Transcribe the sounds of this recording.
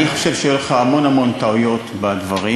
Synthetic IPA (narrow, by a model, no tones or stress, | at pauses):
niχo̞ʃevʃejeleχaːmo̞namo̞nt̪aujo̞t̪bad̪vaʁi